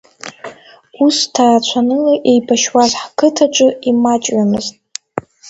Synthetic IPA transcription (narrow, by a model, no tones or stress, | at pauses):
ustʰarat͡ʃʷʰanɨlaʔejbaʃwazħkʰɨtʰaʈ͡ʂʷʼɨimat͡ʃʼɥamɨztʼ